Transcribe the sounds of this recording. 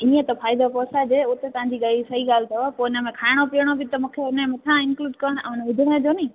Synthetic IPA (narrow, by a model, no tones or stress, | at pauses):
ĩːə̃t̪ɐfaːɪd̪opɔːsad͡ʑeːʊt̪et̪ɐɦãɲd͡ʑiɡaːlisɐɦiɠaːlɪt̪ʰɐoɛpoːɪnəmẽkʰaːɪɽ̃opiəɽ̃obɪt̪ɐmũːkʰeʊnẽmɐt̪ʰãɪ̃nkluːɖkɐɾəɽ̃ʔɛ̰̃ːʊnʋʊd̪ʱɪɽ̃əd͡ʑoːnĩː